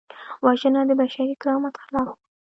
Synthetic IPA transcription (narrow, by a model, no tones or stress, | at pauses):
wɑʒənad̪əbaʃaɾikɾɑmat̪xalɑf